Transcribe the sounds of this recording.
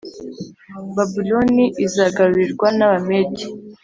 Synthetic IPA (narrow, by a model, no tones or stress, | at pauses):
babiloniʔizaɡaɾuɾiɾɡwanaβameɟi